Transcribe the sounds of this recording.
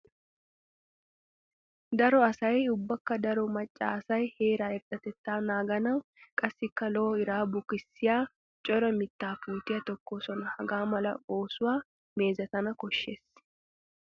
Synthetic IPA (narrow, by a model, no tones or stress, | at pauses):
d̪ɐɾɔɐsɐjʊbːɐkːɐd̪ɐɾɔmɐt͡ʃʼːa̰ːsɐjhe̞ːɾaːɛɾᶑʼɐt̪ɛt̪ːaːnaːɡɐnɐːkʼɐsːɪkːɐloːɪɾaːbʊkɪsːɪjaː | t͡ʃʼɔɾɐmɪt̪ːaːfuːt̪ɪjɐt̪ɔkːoːsɔnɐhɐɡaːmɐlɐ̰o̞ːsʊwaː | me̞ːzɐt̪ɐnɐkɔʃːeːs